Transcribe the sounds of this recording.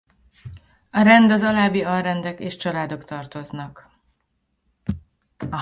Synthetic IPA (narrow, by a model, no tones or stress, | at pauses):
ɒɾɛnd̪ɒzɒlaːbiɒrrɛnd̪ɛkeːʃt͡ʃɒlaːd̪o̞kt̪ɒrt̪o̞znɒk | ɒ